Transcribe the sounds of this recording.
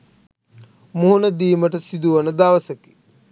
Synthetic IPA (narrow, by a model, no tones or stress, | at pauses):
moɦunəd̪iːməʈəsid̪uʋɐnəd̪aʋəsəki̥